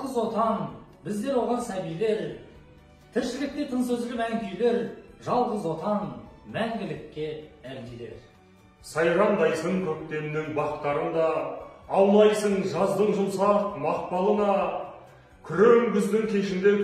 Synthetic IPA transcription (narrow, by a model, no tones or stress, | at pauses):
ʁəzwo̞t̪ɑnbɪzd̪e̞ɾwo̞ʁɑnsæbijle̞ɾ | t̪ʰɪɾʃɪlɪk̚t̪e̞t̪ʰəɴsɵzɪlɪmæŋkʲʰijle̞ɾʒɑlˠʁəzwo̞t̪ɑnmæŋɡʲɪlɪkʲːe̞æɾd̪ile̞̰ɾ | sɑjɾɑnd̪ɑjsəŋkʲʰɵk̚t̪e̞mɪnɪŋbɑqət̪q̪ɑɾənd̪ɑː | wlˠɑjsəɴʒɑzd̪əɴʒʊlˠsɑqmɑq̚pɑlˠənɑ | kʲʰʏɾeŋɡʲʏzd̪ɪŋkʲʰe̞ʃɪnd̪e̞